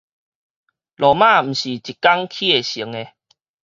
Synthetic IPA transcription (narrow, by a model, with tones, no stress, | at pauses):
lɔ˨˩mã˥˧˨m̩˨˩ɕi˨˩t͡ɕi˨kːa˦ŋkʰi˦e˨ɕi˨˦ŋe˧